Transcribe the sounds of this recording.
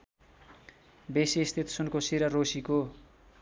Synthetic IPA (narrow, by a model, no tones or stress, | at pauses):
besiːst̪ʰit̪sunkosiɾʌrosiko